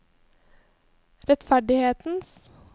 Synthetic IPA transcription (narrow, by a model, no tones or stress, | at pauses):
ɾɛt̪fæɖɪheːt̪n̩s